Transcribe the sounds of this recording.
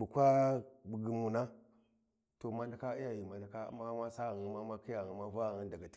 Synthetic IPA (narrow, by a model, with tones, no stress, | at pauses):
bu˨kʷa˦bu˨ɡi˨mu˨na˦ | to˨ma˦nda˨ka˦i˦ja˦ji˨ma˨nda˨ka̰˦ma˦ma˦sa˦ɣi˨ma˦ma˦ki˦ja˨i˨ma˦va˦ɣŋi˦nda˨ɡa˨ti̥˦